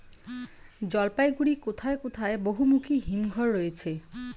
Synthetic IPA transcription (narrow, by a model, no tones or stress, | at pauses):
d͡ʑɔlpajɡuɽikot̪ʰaekot̪ʰaeboɦumukʰiɦimɡʱɔɾːojet͡ɕʰe